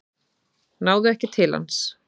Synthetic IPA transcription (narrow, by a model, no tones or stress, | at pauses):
naːwðʏɛhcɪt̪ʰɪla̰ns